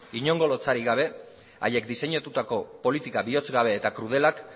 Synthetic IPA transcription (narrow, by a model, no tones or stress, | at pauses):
iɲo̞ŋɡo̞lo̞t͡saɾiɣaβ̞e̞ | a̰je̞kd̪ise̞ɲat̪ut̪ako̞po̞lit̪ikaβio̞t͡sɡaβ̞e̞ːt̪akɾuð̞e̞lak